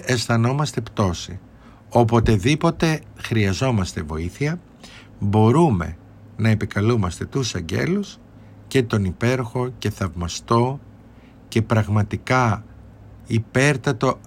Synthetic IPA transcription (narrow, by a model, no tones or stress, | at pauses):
esθɐno̞mɐst̪e̞pt̪o̞si | o̞po̞t̪e̞ðipo̞t̪e̞xɾiɐzo̞mɐst̪e̞vo̞̰iθiɐ | bo̞ɾume̞̰ | nɐe̞pikɐlumɐst̪e̞t̪usɐɲɟe̞̰lus | ce̞t̪o̞nipe̞ɾoxo̞ce̞θɐvmɐst̪o̞ | ce̞pɾɐɣmɐt̪ikɐ | ipe̞ɾt̪ɐt̪o̞